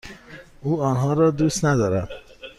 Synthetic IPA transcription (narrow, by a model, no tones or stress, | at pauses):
uːɔːnɦɒːɾɒːd̪ust̪næd̪ɒːɾæd̪